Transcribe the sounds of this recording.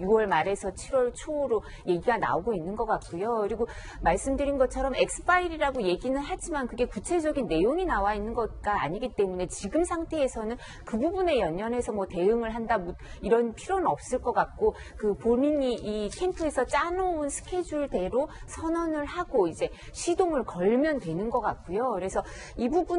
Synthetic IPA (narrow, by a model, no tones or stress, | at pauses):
juwʌɭmaɾe̞sʰʌt͡ɕʰiɾwʌɭt͡ɕʰoːɾo | je̞ɡiɡana̰oɡoinːɯnɡʌk͈ak̚k͈ujokɯɾiɡo | maɭs͈ɯmdɯɾinɡʌt͡ɕʰʌɾʌme̞k̚s͈ʰɯ̥pʰaiɾiɾaɡoje̞ɡinɯɭɦad͡ʑimankɯɡe̞kut͡ɕʰe̞d͡ʑʌɡinːe̞joŋinawainːɯnɡʌt̚k͈aːɲiɡit͈e̞mune̞t͡ɕiɡɯmsʰaŋtʰe̞ːsʰʌnɯn | kɯbubune̞jʌɲːʌne̞sʰʌmwʌte̞ɯŋɯɭɦandamud̚ | iɾʌnpʰiɾonɯʌp̚s͈ɯɭk͈ʌk͈ak̚k͈o | kɯpomiɲiʔikʰe̞ntʰɯe̞sʰʌt͡ɕ͈anounsʰɯ̥kʰe̞d͡ʑuɭde̞ɾosʰʌnʌnɯɭhaɡoid͡ʑe̞ | ɕʰidoŋɯɭkʌɭmjʌndwe̞nɯnɡʌk͈ak̚k͈ojokɯɾe̞sʰʌ | ibubu